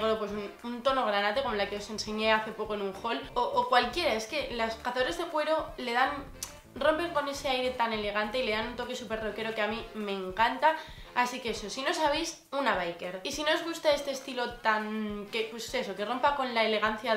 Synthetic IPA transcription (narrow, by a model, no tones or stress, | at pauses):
ɣɾopwe̞sununt̪o̞no̞ɣ̞ɾanat̪e̞ko̞mo̞lakeo̞se̞nse̞ɲe̞aθe̞po̞ko̞enuŋxo̞loʔokwalkje̞ɾae̞ske̞laskaθaðoɾazðe̞kwe̞ɾo̞le̞ðan | ro̞mpe̞ŋko̞ne̞se̞ajɾe̞t̪ane̞le̞ɣ̞ant̪e̞ile̞ðanunt̪o̞ke̞supe̞ɾroke̞ɾo̞keamĩmẽ̞ŋkant̪aː | sike̞eso̞sino̞saβ̞ejs | unaβ̞ajke̞ɾisino̞ozɣ̞ust̪ae̞st̪e̞ːst̪ilo̞t̪anke̞pwe̞se̞so̞ke̞ro̞mpako̞nlaele̞ɣ̞an̟θja